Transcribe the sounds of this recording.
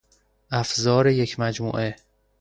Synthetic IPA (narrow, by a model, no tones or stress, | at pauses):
ʔæfzɒːɾejecʰmæd͡ʒmṵːʔe